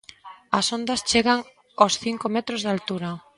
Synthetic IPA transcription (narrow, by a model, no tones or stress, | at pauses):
ɐsond̪ɐst͡ʃeɣaŋ | osθiŋkomɛt̪ɾozðalt̪uɾɐ